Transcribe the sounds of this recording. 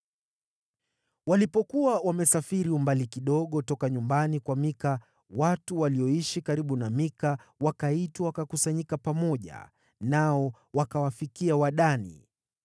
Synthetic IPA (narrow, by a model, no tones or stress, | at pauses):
walipɔkuwawamɛsafiɾiumbalikiɗɔɠɔtɔkaɲumbanikwamika | watuwaliɔiʃikaɾiɓunamikawakaitwawakakusaɲikapamɔʄa̰ | naɔ | wakawafikiawaɗanḭ